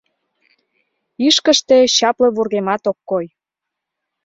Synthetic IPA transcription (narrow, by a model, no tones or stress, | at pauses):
iʃkəʃt̪eɕɑpleβurɣemɑt̪okːoj